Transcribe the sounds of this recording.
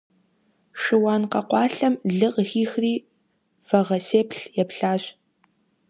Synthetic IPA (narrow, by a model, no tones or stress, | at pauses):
ʂɨwɑːnqɐqʷɑːɬɐmɮɨqxiːxriː | fɐʁɐseːpɬjɛpɬaːɕ